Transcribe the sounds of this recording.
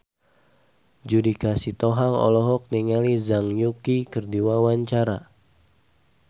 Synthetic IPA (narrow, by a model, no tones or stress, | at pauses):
d͡ʒudikasit̪ɔɦaŋɔ̰lɔɦɔk̚niŋalizaŋjukikərdiwawaɲt͡ʃaɾa